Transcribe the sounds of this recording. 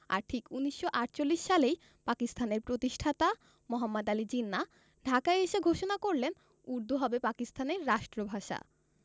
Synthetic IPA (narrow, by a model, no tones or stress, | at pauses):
a̰ɾʈʰikuniʃːoʔaʈt͡ɕolːiʃːalej | pakist̪ʰaneɾpɾot̪iʃʈʰat̪a | mɔɦamːad̪alid͡ʑinːa | ɖʱakaeeʃeɡʱoʃonakoɾlen | uɾd̪ʱuɦɔbepakist̪ʰaneɾːaʃʈɾobʱaʃa̰